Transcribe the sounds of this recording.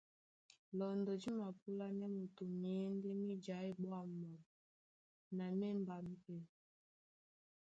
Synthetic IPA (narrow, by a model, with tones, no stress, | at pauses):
lɔ˨ndɔ˨d͡ʒi˦ma˨p̚u˦la˦nɛ˦mu˨tu˨m˨ɛ˦ndɛ˦mi˦d͡ʒa˨˦i˦ɓwa˦ma˨m˨ | na˨mɛ˦mba˨m̩˨pɛ˨